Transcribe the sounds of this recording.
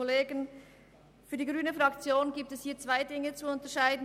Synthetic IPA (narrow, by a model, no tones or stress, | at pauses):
oleːɡən | fyːɐdiːɡʁyːnəfʁɑkt͡sjoːnɡiːp̚tɛshiːɐt͡sv̥aɪdɪŋət͡suʊntəʃaɪdn̩